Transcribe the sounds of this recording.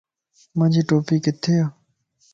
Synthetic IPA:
mãːd͡ʑiːʈoːpiːkɪt̪ʰːeːaː

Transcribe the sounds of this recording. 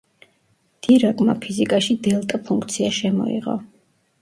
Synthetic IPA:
d̪̥iɾakʼma̰pʰizikʼaʃid̪ɛlˠt̪ʼapʰuŋkʰt̪sʰiaʃɛmɔ̰ḭʁɔ̰

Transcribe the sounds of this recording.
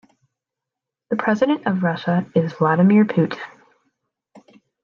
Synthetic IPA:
ðɨpʰɹ̥ɛzɨɾɨ̃ntʌvɹʌʃəɪzvlɑɾɨmɪɹpʰʉt

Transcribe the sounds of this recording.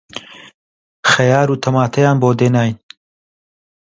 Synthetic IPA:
xɐjaːɾuːt̪ʰɐmaːt̪ʰɐjaːnboːd̪eːnaːjin

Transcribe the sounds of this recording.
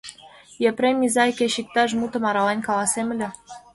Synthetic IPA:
jeprʲemʲːizɑjkʲĕɕik̚t̪ɑʒmut̪ɤ̆mɑɾɑlenʲkɑlˠɑsemɘ̆lʲĕ

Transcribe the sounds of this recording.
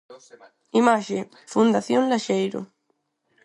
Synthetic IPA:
imaʃe | fund̪aθjõnlaʃejɾo̰

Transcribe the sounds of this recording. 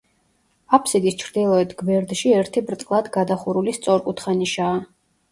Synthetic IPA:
apʰsid̪ist͡ʃʰɾd̪ilˠɔɛt̪ʰɡvɛɾd̪ʃiɛɾt̪ʰibɾt̪ʼqʼlˠad̪ɡad̪aχuɾulist̪sʼɔɾkʼut̪ʰχaniʃaː

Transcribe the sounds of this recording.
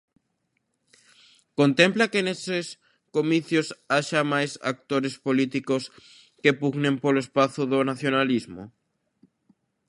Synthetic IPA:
kont̪emplakeneses | komiθjosaʃamajsa̰k̚t̪oɾespolit̪ikos | kepuɣnẽmpoloespaθoðonaθjonalizmo̰

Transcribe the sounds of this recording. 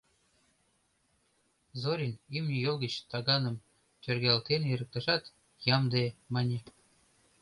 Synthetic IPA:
zoɾʲinimnʲijolˠɡə̆t͡ɕt̪ɑɣɑnɤ̆m | t̪ʲørɡʲælt̪eniɾə̆k̚t̪ɑʒɑt̪ | jɑmd̪emɑnʲe

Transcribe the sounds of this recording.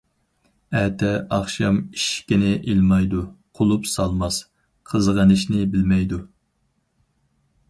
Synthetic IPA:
ɛt̪ʰɛɑχʃɑmiʃkʲinɪʔilmɑjd̪uqʰolˠupsɑlˠmɑs | qʰəzʁɑnɨʃnɪbɪlmɛjd̪u

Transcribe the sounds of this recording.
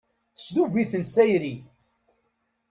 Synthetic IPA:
sd̪uviθənθæjɾi

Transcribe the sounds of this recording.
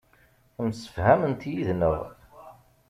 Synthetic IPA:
msə̥fhæmənt̪jiðnəʁ

